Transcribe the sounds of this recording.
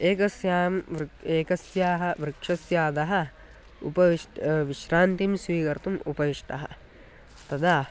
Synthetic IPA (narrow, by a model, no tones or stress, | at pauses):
eːkɐsjaːmʋeːkɐsjaːɦɐ̆ʋɾɨkʂɐsjaːd̪ɐɦɐ̆ | ṵpɐʋiʂʈʋiʃɾaːnt̪imsʋiːkɐɾt̪umupɐʋiʂʈɐɦɐ̰ | t̪ɐd̪ʱaː